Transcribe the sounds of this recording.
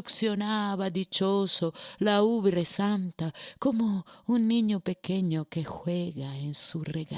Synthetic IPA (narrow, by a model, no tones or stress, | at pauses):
uksjonaβad̪it͡ʃosolauβeɾesant̪akomounːiɲopekeɲokexweɣaensureɣa